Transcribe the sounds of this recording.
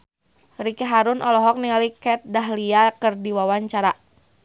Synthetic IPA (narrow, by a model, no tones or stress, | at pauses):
rikɛɦaɾʊnʔɔlɔɦɔk̚nialikɛt̪̚daɦliakɨrdiwawaɲt͡ʃaɾa